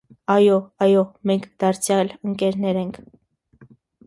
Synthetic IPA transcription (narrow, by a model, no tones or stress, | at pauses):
ɑjɔɑjɔmɛŋkʰd̪̥ɑɾt͡sʰjɑləŋkɛɾnɛɾɛŋkʰ